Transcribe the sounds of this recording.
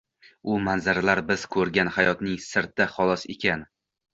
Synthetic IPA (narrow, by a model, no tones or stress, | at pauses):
ʊmanzaɾalaɾbɪz̥kʰɵɾɡʲanhajɒt̪nɪŋsɪɾt̪̚d̪aχɒlˠɒsḛkʲan